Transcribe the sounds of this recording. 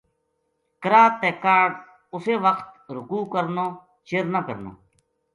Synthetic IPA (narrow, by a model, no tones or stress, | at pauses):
kəɾaːt̪ːeːkaːɖ | ʊseːʋəkt̪ɾʊkuːkəɾnoː | t͡ʃeːɾnaːkə̰ɾno̰ː